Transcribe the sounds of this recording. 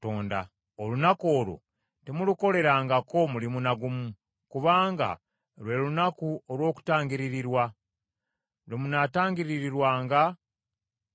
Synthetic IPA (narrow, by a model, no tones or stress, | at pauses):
toːnda̰ | olunako̞ːlo̰ | temuluko̞le̞ɾaːŋɡako̞mulimunaɡumu | kuβaːŋɡa̰ | lwe̞lunakuolwo̞ːku̥taːŋɡiɾiɾiɾwa | ɾemunataːŋɡiɾiɾiɾwaːŋɡa